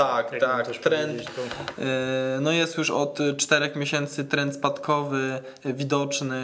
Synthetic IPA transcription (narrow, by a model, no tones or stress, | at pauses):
t̪akt̪akt̪ɾɛnt̪ | nɔjɛst̪juʂɔt̪t͡ʂt̪ɛɾɛxmʲjeɕɛnt̪sɘt̪ɾɛnt̪spat̪kʰɔvɘ | vʲid̪ɔt͡ʂnɘ